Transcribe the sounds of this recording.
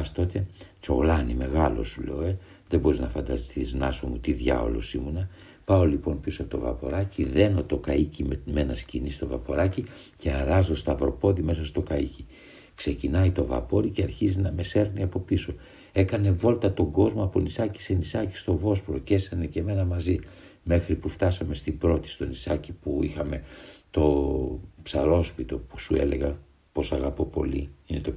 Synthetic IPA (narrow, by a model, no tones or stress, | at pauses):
st̪o̞t̪e̞t͡so̞̰ɣlɐnime̞ɣɐlo̞̰sulḛoe | ðebo̞ɾiznɐfɐnd̪ɐ̰st̪iznɐso̞mut̪iðʝɐ̰o̰lo̞̰simune | pɐo̞lipo̞npisɐt̪o̞̰vɐ̰po̞̰ɾɐciðe̞no̞t̪o̞kɐicimme̞nɐscinist̪o̞vɐpo̞ɾɐci | ceɐɾɐzost̪ɐvɾo̞po̞ðime̞sɐst̪okɐici | kse̞cinɐit̪o̞vɐ̰po̞ɾice̞ɐɾçizinɐme̞se̞ɾniɐpo̞piso̞ | e̞kɐne̞vo̞lt̪ɐt̪o̞ɡo̞zmoɐpo̞nisɐci̥se̞nisɐci̥st̪o̞vo̞spɾo̞cesenece̞me̞nɐmɐzi | me̞xɾipuft̪ɐsɐme̞st̪ibɾo̞t̪i̥st̪o̞nisɐcipuixɐme̞t̪o̞ | psɐɾo̞spit̪o̞pu̥sue̞̰leɣɐ | po̞sɐɣɐpo̞po̞̰lḭinet̪o